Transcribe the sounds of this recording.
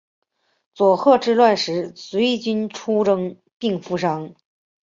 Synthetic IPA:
t͡swɔ˨˩xɤ˥˧ʈ͡ʂɻ̩˥˧lwa˥˩nʂɻ̩˧˥swe˧˥ɪt͡ɕy˥nʈ͡ʂʰu˥ʈ͡ʂɤ˥ŋ | pi˥˩ŋfu˧˥˧ʂ̬ɑ˥ŋ

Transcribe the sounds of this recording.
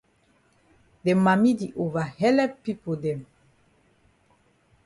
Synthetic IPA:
dɛ˨ma˨mi˦d̪i˨ʔo˨va˨hɛ˦lɛ˦pi˦pu˨d̪ɛ˨m

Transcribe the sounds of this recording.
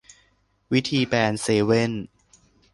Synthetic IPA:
wi˦˥t̪ʰiː˧pɛː˧nseː˧we˥˩n

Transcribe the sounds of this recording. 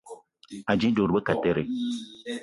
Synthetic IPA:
a˨d͡ʒĩ˦do˨ɾbə˦ka˨te˦ɾe˨

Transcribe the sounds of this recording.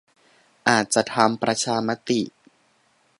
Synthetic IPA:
ʔaː˨˩t̪̚t͡ɕa˨˩t̪ʰa˧mpɾa˧t͡ɕʰaː˧ma˦˥t̪i˨˩

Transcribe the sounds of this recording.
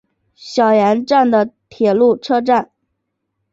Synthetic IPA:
ɕjɑ˨˩ʊjɛ˧˥nʈ͡ʂa˥˩nd̪ə˩t̪ʰjɛ˨˩lu˥˩ʈ͡ʂʰɤ˥ʈ͡ʂa˥˩n

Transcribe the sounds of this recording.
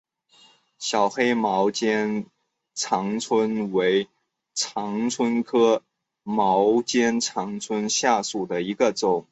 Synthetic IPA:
ɕjɑ˨˩ʊxe˥ɪmɑ˧˥ʊt͡ɕjɛ˥n | ʈ͡ʂʰɑ˧˥ŋt͡sʰwə˥nwe˧˥ɪ | ʈ͡ʂʰɑ˧˥ŋt͡sʰwə˥nkʰɤ˥ | mɑ˧˥ʊt͡ɕjɛ˥nt͡sʰɑ˧˥ŋt͡sʰwə˥nɕja˥˩su˨˩d̪ə˩i˧˥ɡə˧ʈ͡ʂʊ˨˩˦ŋ

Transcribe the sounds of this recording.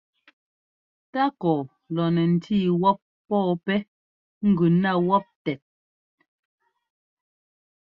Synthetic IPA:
ta˦kɔː˨ | lɔ˨nɛ˨n̩˨tʰiː˦˨wɔ˦p̚ːɔː˦˨pɛ˦ | ŋ̩˦ɡʉ˨na˦˨wɔ˦p̚tɛ˨t̚

